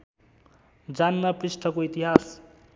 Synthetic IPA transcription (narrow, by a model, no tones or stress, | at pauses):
d͡zanːʌpɾisʈʰʌkoit̪iɦas